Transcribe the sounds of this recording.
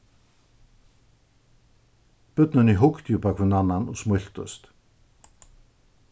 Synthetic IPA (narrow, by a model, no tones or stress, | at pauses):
pʏt̪nʏniɦʊkt̪jupakʰvʏnanːanɔɣsmʊl̥t̪ʏ̰st̪